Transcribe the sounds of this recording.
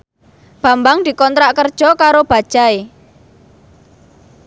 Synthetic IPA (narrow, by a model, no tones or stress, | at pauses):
b̥a̤mbaŋd̪̥i̤kɔnt̪ɾaʔkərd̥ʒ̥ɔkaɾob̥a̤d̥ʒ̥ae